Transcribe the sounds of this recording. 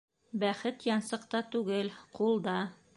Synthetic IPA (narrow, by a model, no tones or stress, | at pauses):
bæχɘt̪jɑnsɤ̆qt̪ɑt̪ʉɡɘlqulˠd̪ɑ